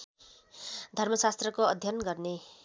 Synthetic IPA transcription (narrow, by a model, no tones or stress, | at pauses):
d̪ʱʌrmʌsast̪rʌkoʌd̪ʱjʌnɡʌrne